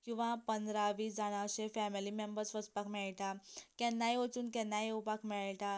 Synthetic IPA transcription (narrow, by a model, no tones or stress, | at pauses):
kĩw̃ʋãpənd̪ɾaʋiːsd͡zaɽ̃ãɕefɛmilimembəɾsʋəspakmɛɭʈakɛnːajʋət͡suːnkɛnːajupakmɛɭʈa